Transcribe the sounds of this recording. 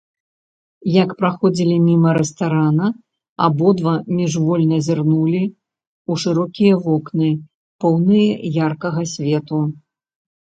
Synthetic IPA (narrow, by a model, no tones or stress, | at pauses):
jɐkpɾaxɔd͡zʲilʲimʲimɐɾɛst̪aɾanɐ | abɔd̪vamʲiʐvɔlʲnɐzʲarnulʲi | uʂɨɾɔkʲijɐvɔknɨ | pɔwnɨjɐjarkɐɣɐsʲvʲɛt̪u